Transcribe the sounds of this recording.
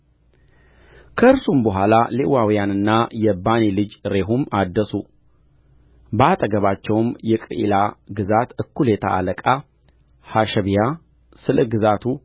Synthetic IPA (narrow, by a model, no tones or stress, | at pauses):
kʰəɨɾsumbəɦʷalalewawijanɨnːajɛbanilɨd͡ʒɾe̞ɦumad̪ːəsu | bəat̪ʼəɡəβat͡ʃːɛwmjɛkʼɾɨ̰ʔḭlaɡɨzat̪ɨkːuljɛt̪ʰa̰ʔa̰ləkʼa | haʃɛβija | sɨləɡɨzat̪ʰu